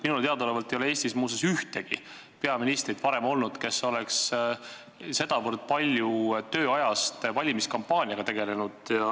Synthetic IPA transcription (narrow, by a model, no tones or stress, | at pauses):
minult̪eɑd̪olevɑlt̪ejoeeːsʲt̪ismuːsesyht̪e̞ɡ̥ḭ | pe̞ɑminist̪rid̪̥pɑɾe̞mo̞lnud̪̥ke̞so̞le̞ks | se̞d̪̥ɑvərd̪̚pɑlʲjut̪ø̞ːɑjɑst̪vɑlʲimiskɑmpːˑɑːnʲiɑɡ̥ɑt̪e̞ɡe̞le̞nud̪̥jɑ